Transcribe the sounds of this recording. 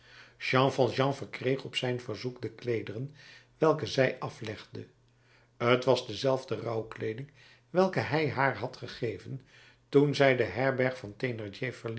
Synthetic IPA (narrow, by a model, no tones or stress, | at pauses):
ʒɑ̃ŋvɑlˠʒɑ̃ŋvəɹkrejχɔpsɛjnvəɹzukdəklejdərənʋɛlˠkəzɛjʔɑflɛχdə | ətʋɑzdəzɛlˠvdərɑwklejdɪŋ | ʋɛlˠkəɦɛjɦaːɹɦɑtχəχejvən | tunzɛjdəɦɛɹbɛɹχfɑntenɛɹd͡ʒevəɹl